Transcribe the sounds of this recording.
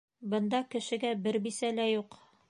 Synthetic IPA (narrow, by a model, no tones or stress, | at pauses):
bɤ̆nd̪ɑkɘ̆ʃɘ̆ɡæbɘɾbisælæjuq